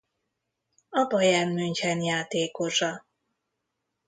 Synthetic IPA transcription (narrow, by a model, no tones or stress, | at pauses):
ɒbɒjaːnmyɲchɛnjaːt̪eːkoʃɒ